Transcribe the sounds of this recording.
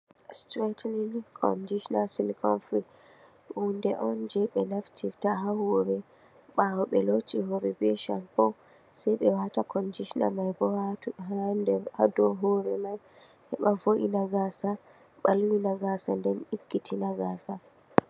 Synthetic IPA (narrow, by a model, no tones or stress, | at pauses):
stɾɛtlinkʰɔ̰ndiʃnalsinkʰɔ̰nfɾi | undɛʔɔnd͡ʒɛɓɛnaftʰivtaɦahɔɾɛ | ɓawɔɓɛlotiɦɔɾɛbɛʃanpɔ | sɛjɓɛwatakʰɔndiʃna̰majbɔhaɦandɛhadɔɦɔɾɛmaj | hɛɓavoʔinaɡasa | ɓalwinaɡasandɛniɡːitʰinaɡasa